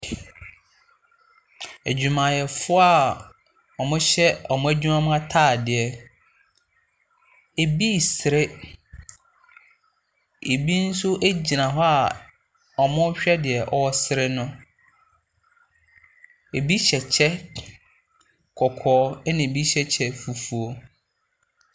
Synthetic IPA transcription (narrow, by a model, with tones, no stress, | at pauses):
æ˨d͡ʑᶣu˨mã˨jɛ˨fʊ˦a˦˨ | ɔ˨mʊ̃˦ɕɛ˦ɔ˨mʊ̃˦æ˦d͡ʑᶣu˦mã˦mʊ̃˦a˦tʰaː˦˨dɪ˨ɛ˨ | e˨bi˦˨sɪ˨ɾe˦ | e˨bi˦n̩˦sʊ˦ʔæ˦d͡ʑi˨nã˨ɦɔ˦a˨ | ɔ˨mʊ̃˦ɕᶣɛ˦dɪ˨ɛ˨ʔɔ˦ɔ˦sɪ˦ɾɪ˦nʊ̃˦ | e˨bi˦ɕɛ˨t͡ɕʰɛ˦ | kʰɔ˨kʰɔː˨˦nɪ̃˨bi˦ɕɛ˦t͡ɕʰɛ˦fu˨fu˨o˦